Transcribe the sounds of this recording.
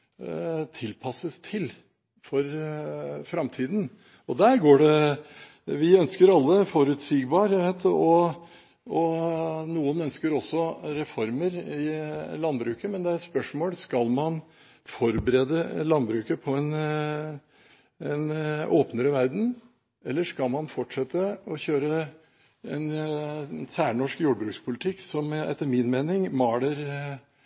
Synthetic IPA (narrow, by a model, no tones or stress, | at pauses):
t̪ʰɪlpʰɑsəst̪ʰɪl | fɔɾ | fɾɑmt̪ʰiːd̪n̩ | ɔd̪æɾɡoːɖɛ | ʋɪœnskəɾɑlːəfɔɾʉt̪sɪɡbɑːɾjæʋet̪ɔ | ɔnuːənœnskəɾɔsːɔɾɛfɔɾməɾɪlɑnbɾʉːkəmɛnd̪ɛæɾɛt̪spœʂmoːlskɑlmɑn | fɔɾbəɾeːd̪əlɑnbɾʉːkəpʰɔɛn | ɛnʔoːpnəɾəʋæɾd̪n̩ | ɛlːəʂkɑlmɑnfɔʈʂɛt̪ːəɔçøːɾə | ɛn | sæːɳɔʂkjuːɖəbɾʉːkspʰʊlɪt̪ʰɪkːsɔmɛ̰t̪ːəɾmɪnmeːnɪŋmɑːɽəɾ